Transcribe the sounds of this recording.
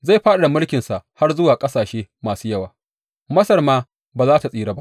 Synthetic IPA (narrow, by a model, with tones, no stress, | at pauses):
za˦˨jɸaː˦ɗa˨da˨mʊ˦lkʲɪ˨nsa˨ʔha˦rzʊ˦waː˨kʼɐ˦saː˨ʃeː˦maː˨suː˦jɐ˦waː˨ | mɐ˦sɐ˨rmaː˦ | baː˨zaː˦ta˨sʼiː˦ɽaː˦ba˦ʔ